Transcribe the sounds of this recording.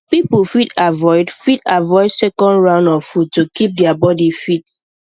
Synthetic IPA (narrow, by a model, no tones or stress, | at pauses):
pipufidavɔɪdfidavɔɪdsɛkɔ̃ndɹãʊ̃ndɔfuttːokip̚dɛabɔdifit